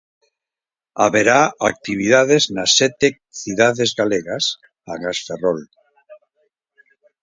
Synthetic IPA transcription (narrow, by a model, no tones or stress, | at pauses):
a̰βeɾaak̚t̪iβ̞iðaðeznasːɛt̪e | θiðaðezɣaleɣas | aɣasferɔl